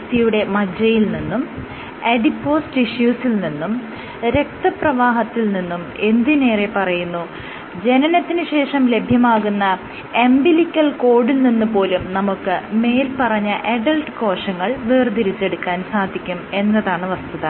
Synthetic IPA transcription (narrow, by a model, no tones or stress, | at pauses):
t̪ijuɽe̞mɐd͡ʑɐjilninːum | eɖipːo̞ːsʈiɕjuːsilninːum | ɾe̞k̚t̪ɐprɐʋaːɦɐt̪ːilninːume̞nd̪ine̞ːrepɐrɐjunːu | d͡ʑe̞nɐnɐt̪ːinɨɕe̞ːʂɐmle̞bʱjɐmaːɣunːɐ | embilikʲːɐlko̞ːɽilninːupo̞ːlumnɐmukːɨme̞ːlpɐrɐɲːɐʔeɖɐlʈɨko̞ːʂɐŋːɐɭʋeːrd̪iɾit͡ɕːe̞ɽukːaːnsaːd̪ʱikʲːume̞nːɐðaːɳɨʋɐst̪uðɐ